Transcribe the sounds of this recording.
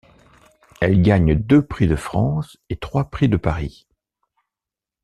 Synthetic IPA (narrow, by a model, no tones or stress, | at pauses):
ɛlɡaɲd̪øpχid̪əfχɑ̃ːs | et̪χwapχid̪əpaʁi